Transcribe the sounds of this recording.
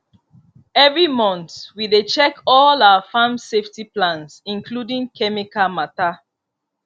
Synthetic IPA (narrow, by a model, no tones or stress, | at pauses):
ɛvɹimɔ̃ntwidet͡ʃɛkɔlawafãmseftiplãnsĩnkʰludĩŋkʰɛmikamata